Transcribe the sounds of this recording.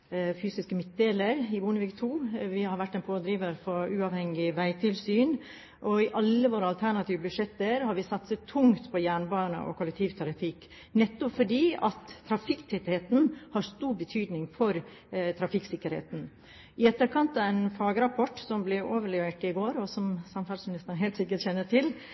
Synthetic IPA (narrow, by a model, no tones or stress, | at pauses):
fyːsɪskəmɪt̪̚d̪eːləɾɪbuːnəʋɪkt̪ʰuːʋɪhɑɾʋæʈːɛnpʰoːd̪ɾiːʋəɾfɔɾʉːɑʋhɛŋɪʋæɪt̪ʰɪlsyːn | ʔɔɪʔɑlːəʋoːɾəɑlt̪ʰæɳɑt̪ʰiːʋəbʉʂɛt̪ːəɾhɑɾʋɪsɑt̪sət̪ʰːʊŋt̪pʰɔjæːɳbɑːnə̰ʔɔ̰kʰʊlɛk̚t̪ʰiːʋt̪ʰɑɾɪfɪk | nɛt̪ːɔpfɔɖiːɑt̪ʰːɾɑfɪkt̪ʰɛt̪heːt̪n̩hɑɾst̪uːɾbət̪ʰyːd̪nɪŋfɔɾ | t̪ʰɾɑfɪksɪkːəɾhḛːt̪n̩ | ɪɛt̪ːəɾkʰɑnt̪ɑɛɪnfɑːɡəɾɑpʰɔʈːsɔmblɛʔoːʋəɭɛʋeːʈɪɡoːɾɔsɔmsɑmfɑlsmɪnɪst̪əɾn̩ɦeɪlt̪sɪkːəʈçɛnːəʈʰɪl